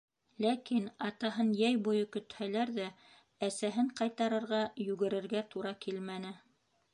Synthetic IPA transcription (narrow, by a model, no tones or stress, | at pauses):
lækinɑt̪ɑɦɤnjæjbujɤkɵ̆t̪hælæɾðæ | æsæɦɘɴqɑjt̪ɑɾɤ̆ɾʁɑjʉɡɘ̆ɾɘ̆ɾɡæt̪uɾɑkilmænɘ